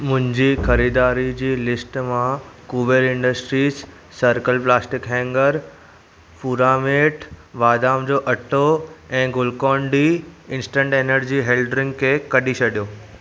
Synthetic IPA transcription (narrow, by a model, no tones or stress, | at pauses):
mʊ̃ɦɪ̃ɲd͡ʑiːxɐɾiːd̪aːɾid͡ʑiːlɪsʈmãkuːʋeɾɪ̃ɳɖəsʈɾiːsː | əɾkəlplaːsʈɪkɦɛ̃ːŋɡəɾ | fuːɾaːmeːʈʰʋaːd̪aːmd͡ʑoːʔɐʈʰoɛ̃ːɡʊlkɔ̃ːɳɖiɪ̃nsʈə̃ɳʈeːnəɾd͡ʑiːɦeːlɖɾɪ̃ŋɡkʰekɐɗit͡ɕʰɐɗijoː